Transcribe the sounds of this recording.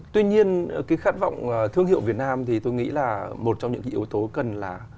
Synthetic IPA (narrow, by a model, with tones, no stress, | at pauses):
t̪wi˧ɲi˧ənkaː˨˦jxaː˦˥t̚va̰˧˨wŋ͡mt̪ʰɨ˧əŋhḭ˧˨wvət̚naː˧mt̪ʰi˨˩t̪o˧jŋḭ˧˥laː˨˩mo˨˩t̚t͡ɕɔ˧wŋ͡mɲɨ̰˧˥kːʔi˨˦əwt̪o˨˦kə˨˩nlaː˨˩